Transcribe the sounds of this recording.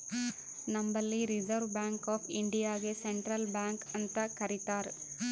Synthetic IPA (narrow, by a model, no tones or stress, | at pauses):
nɐmbɐlːiɾid͡ʒɐɾʋbjaːŋkaːpʰiɳɖijaːɡeseɳʈɾɐlbjaːŋkɐnt̪ɐkɐɾit̪aːɾ